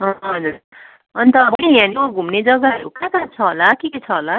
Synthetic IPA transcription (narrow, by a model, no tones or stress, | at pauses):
ɦʌɦʌd͡zuɾ | ʌnit̪ʌbʌiɦjãniaɡʱumned͡zʌɡaɦʌɾṵkãkat͡sʰʌɦolakiket͡sʰʌɦola